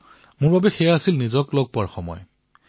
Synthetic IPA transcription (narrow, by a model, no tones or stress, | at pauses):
mʊɹbabɛxɛjaasilnizɔklɔɡ̚pʊaɹxɔmɔ̰j